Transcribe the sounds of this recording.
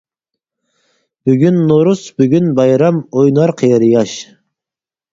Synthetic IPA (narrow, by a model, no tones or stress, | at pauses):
b̥yɡʲynːoɾusbyɡʲynbɑjɾɑmojnɑɾqʰejɑɾjɑʃ